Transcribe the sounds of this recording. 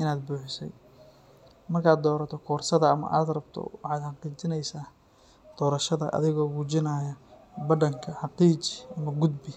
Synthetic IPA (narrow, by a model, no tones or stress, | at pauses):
ʔɪnaːd̪buːħɪsɛ̰j | mɐrkʰaːd̪ɔːɾɐt̪ʰɔkʰɔːrsɐðɐɐmɐ̰ʔa̰ːd̪rɐbt̪ʰɔ̰wɑħɑːd̪ħɑqiːt͡ʃɪnɛjsaː | d̪̥ɔːɾɐʃɐðɐ̰ʔɐ̰ðɪɣɔːɣuːt͡ʃɪnaːjɐbɐɖɐŋkʰɐħɑqiːt͡ʃɪ̥ʔɐmɐɡʊd̪bɪ